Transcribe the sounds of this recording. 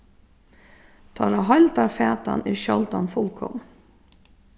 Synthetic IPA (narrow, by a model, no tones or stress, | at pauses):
t̪ʰɑːɾɑɦɑɪlt̪ɑːfeːt̪ɑ̰nɪːʃɔlt̪ɑnfʊlkʰɔ̰ŋ